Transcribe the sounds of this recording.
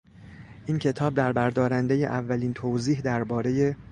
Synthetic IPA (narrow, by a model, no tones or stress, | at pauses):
ʔiːncʰe̞t̪ʰɒːb̚d̪æɾbæɾd̪ɒːɾænd̪e̞je̞̰ʔævːæliːnt̪ʰowziːɦd̪æɾbɒːɾe̞je̞